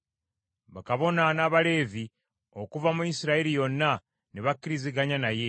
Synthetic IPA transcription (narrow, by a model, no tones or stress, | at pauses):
βakaβo̞nanaβale̞ːvi | o̞kuvamuisiɾaiɾijo̞nːa | neβakːiɾiziɡaɲanaje̞